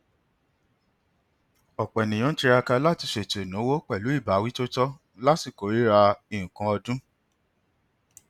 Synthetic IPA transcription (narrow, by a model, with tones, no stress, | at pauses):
ɔ˨k͡pɛ˨nĩ˨jɔ̃˦ti˧ɾa˧ka˧la˦ti˧ʃe˨te˨nũ˨˦wo˦k͡pɛ˦˨lu˨˦i˦˨ba˨˦wi˦to˦tɔ˦ | la˦si˦˨ko˨ɾi˨˦ɾa˧i˦˨ũ˨kã˨˧˦ɔ˧dũ˦